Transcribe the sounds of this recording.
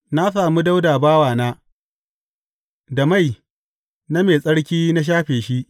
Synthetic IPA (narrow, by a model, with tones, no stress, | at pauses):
na˦saː˨mu˦da˦wdaː˨baː˦waː˨naː˦ | da˨ma˦˨j | na˦meː˨sʼɐ˦ɽkʲiː˦na˦ʃ̬aː˦ɸeː˨ʃi˦ʔ